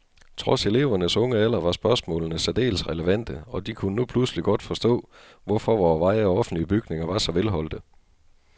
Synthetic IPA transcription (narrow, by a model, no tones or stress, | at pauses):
t͡sʰʁɒ̽se̝le̝ʊɐnəsɔ̽ŋəælɐʋɑ̈sb̥ɶɐsmɔ̰̽ːlnəsæd̥e̝̰ːlsʁɛləʋæn̰d̥əɒ̽d̥ikʰunənupʰlusəliɡ̥ɒ̽d̥fɒ̽sd̥ɔ̰̽ː | ʋɒfɒ̽ʋɒːʋɑ̈ɪ̰ɒɒ̽fn̩dliəb̥yɡ̥ne̝ŋɐʋɑ̈sɒ̽ʋelɦɒ̽l̰d̥ə